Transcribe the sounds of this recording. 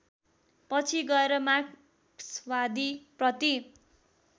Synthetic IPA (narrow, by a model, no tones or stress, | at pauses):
pʌt͡sʰiɡʌeɾʌmaɡ | swad̪ʱiprʌt̪i